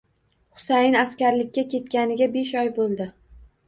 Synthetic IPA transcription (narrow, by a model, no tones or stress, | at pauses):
χʊ̥sajɪnaskʲaɾlɪkʲʰːakʲe̞t̪kʲanɪɡʲabe̞ʃ̬ɒjbolˠd̪ɪ